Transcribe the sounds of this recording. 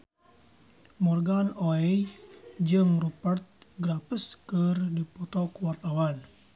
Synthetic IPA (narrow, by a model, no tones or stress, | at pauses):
mɔrɡanoɛ | d͡ʒəmrupərt̪̚ɡɾapəskərdipɔt̪ɔkuwart̪awan